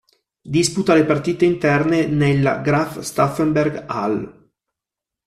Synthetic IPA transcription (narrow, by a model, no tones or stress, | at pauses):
d̪isput̪alepart̪iːt̪eint̪ɛrnenelɡɾafst̪afɛmberɡa̰l